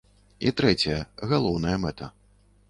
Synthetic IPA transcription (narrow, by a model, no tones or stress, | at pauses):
ḭt̪ɾɛt͡sʲɐjɐɣalˠɔwnɐjɐmɛt̪ɐ